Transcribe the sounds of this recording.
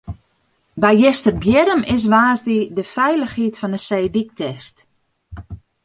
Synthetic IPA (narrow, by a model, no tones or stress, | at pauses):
bɛjjɪstərbjɪɾəmɪs̬ʋaːzdidəfɛjləxhiːtfɔnəsejdik̚tʰɛst